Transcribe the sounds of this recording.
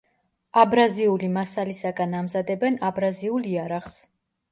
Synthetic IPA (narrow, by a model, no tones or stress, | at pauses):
abɾaziulimasalisaɡanamzad̪ɛbɛnabɾaziulˠiaɾaχs